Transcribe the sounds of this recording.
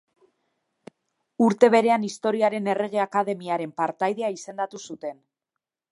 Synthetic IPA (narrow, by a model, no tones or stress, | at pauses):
uɾt̪e̞β̞e̞ɾe̞anist̪o̞ɾiaɾe̞ne̞re̞ɣ̞e̞akaðe̞miaɾe̞mpaɾt̪ajðe̞aise̞nd̪at̪usut̪e̞n